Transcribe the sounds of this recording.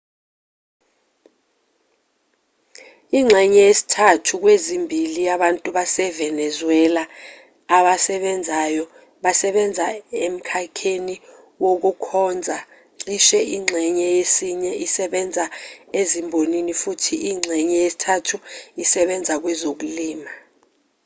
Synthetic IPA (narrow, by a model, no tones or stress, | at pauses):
iŋ͡ǁʱɛɲɛjesi̥tʰatʰuk̬wezimbʱilijaɓantʼuɓasɛvɛnɛzwɛlaː | ɓasɛɓɛnd͡zʱajɔ | ɓasɛɓɛnd͡zʱaem̩kʰakʰeni | wok̬ukʰɔːnd͡zʱa | ǀiʃɛʔiŋ͡ǁʱɛɲɛjesiɲɛʔisɛɓɛnd͡zʱaezimbʱoninifutʰiʔiŋ͡ǀʱɛɲɛjesi̥tʰatʰuisɛɓɛnd͡zʱak̬wɛzok̬uliːma